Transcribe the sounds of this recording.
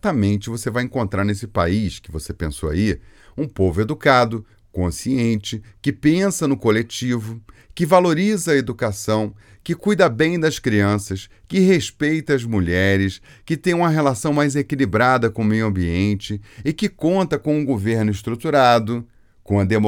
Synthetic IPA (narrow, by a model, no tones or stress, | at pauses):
t̪ɐmẽnt͡ʃɪvosevajẽkõnt̪ɾaɾnesɪpa̰iskɪvosepẽsoa̰i | ũpovʊed̪ukad̪ʊ | kõsiẽnt͡ʃɪkɪpẽsɐnʊkolet͡ʃivʊkɪvaloɾizɐɐed̪ukasɐ̃w̃ | kɪkujd̪ɐbẽj̃d̪ɐskɾiɐ̃sɐskɪɦeʃpejt̪ɐɐzmuʎɛɾɪs | kɪt̪ẽj̃ũmɐɦelasɐ̃w̃majzekilibɾad̪ɐkõmejʊɐ̃mbiẽnt͡ʃɪɪkɪkõnt̪ɐkõw̃ʊɡoveɾnʊɪʃt̪ɾut̪uɾad̪ʊ | kõɐd̪emo